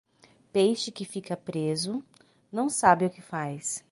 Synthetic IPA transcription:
pejʃɪkɪfikɐpɾezʊ | nɐ̃w̃sabɪʊkɪfajs

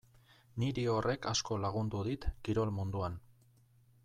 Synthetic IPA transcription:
niɾio̞re̞kasko̞laɣ̞und̪uðit̪kiɾo̞lmund̪uan

